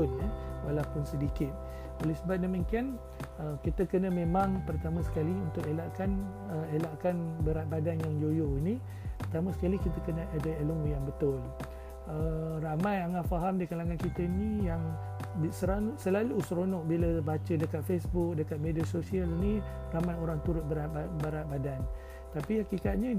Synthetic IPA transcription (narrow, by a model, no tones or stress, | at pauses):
nɛwalapʊnsədikɪt̪̚ | olɛsəbat̪̚nəməŋkian | əkit̪əkənə̃mẽmaŋpərt̪amãsə̥kaliunt̪ʊʔelaʔkan | əelaʔkanbəɾat̪̚badanjaŋd͡ʒojoini | pərt̪amasə̥kalikit̪əkənə̃ʔadəeləmujaŋbət̪ʊl | əramajaŋat̪faɦamdikalaŋankit̪əinijaŋ | bsəɾausəlaluːsɾonɔʔ̚biləbat͡ʃədəkat̪̚fesbuk̚dəkat̪̚mediasosialini | ramajoɾaŋt̪uɾʊt̪̚bəɾaabəɾat̪̚badan | t̪apiakikat̪̚ɲə